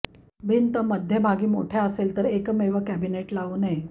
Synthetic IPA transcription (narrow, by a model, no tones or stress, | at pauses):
bʱint̪əməd̪ʱjebʱaɡiːmo̰ʈʰjeəselt̪əɾekmeʋəkæbineʈlaʋune